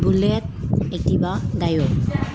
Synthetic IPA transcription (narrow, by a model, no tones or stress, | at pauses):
bulet̪̚et̪ibad̪ajo